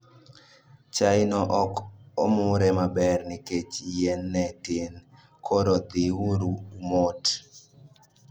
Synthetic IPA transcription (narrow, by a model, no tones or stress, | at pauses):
t͡ʃaɪnɔʔɔkɔmʊɾɛmabɛrnɪket͡ʃijɛnːɛtɪn | kʰɔɾɔd̪ɪwuɾumot